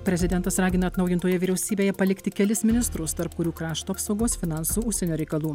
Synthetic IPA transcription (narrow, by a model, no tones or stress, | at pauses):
pʲɾʲɛzʲɪd̪ʲɛnt̪ɐsɾɑːɡʲɪnɐt̪nɐʊjɪnt̪oːjɛʋʲiːɾʲɛʊsʲiːbʲeːjɛpɐlʲɪkt̪ʲɪkʲɛlʲɪsmʲɪnʲɪst̪ɾʊst̪ɐɾpkʊɾʲuːkɾɑːʃt̪uːɐpsɒʊɡoːsfʲɪnɑˑnsuːʊʃʲsʲɛnʲuːɾʲɛɪkɐlˠuː